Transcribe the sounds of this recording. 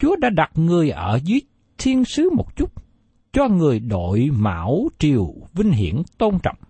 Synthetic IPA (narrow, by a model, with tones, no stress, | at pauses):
t͡ɕu˨˦əɗa̰ː˧˥ɗa˨˩t̚ŋɨ˨˩əjʔəː˧˩zɨ˨˦əj | t̪ʰi˧ənsɨ˨˦mo˨˩t̚t͡ɕu˦˥t̚ | t͡ɕɔ˧ŋɨ˨˩əjɗo̰˧˨jma̰ː˧˥wt͡ɕi˨˩əwvï˧ŋ̟ɦḭ˧˩ənt̪o˧nt͡ɕɔ̰˧˨wŋ͡m